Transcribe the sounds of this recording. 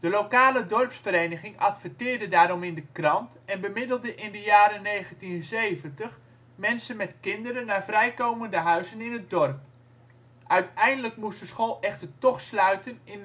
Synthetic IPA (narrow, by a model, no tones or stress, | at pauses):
d̥əlowkaːlədɔrpsfərejnəχɪŋɑtfətɪːɹdədaːɾɔmɪndəkrɑnt | ɛnbəmɪdəl̩ˠdəʔɪndəjaːɾənejɣəntinsejvəntəχ | mɛnsənmɛtkɪndəɾənːavrɛjkowməndəɦœɥzənɪnət̚dɔrp̚ | ʔœɥtɛjndələkmustdəsχoːlˠɛχtərtɔχslœɥtənɪn